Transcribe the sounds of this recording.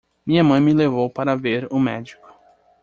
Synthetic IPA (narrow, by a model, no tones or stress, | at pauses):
mĩɲɐmɐ̃j̃mɪlevowpaɾɐveɾʊmɛd͡ʒikʊ̥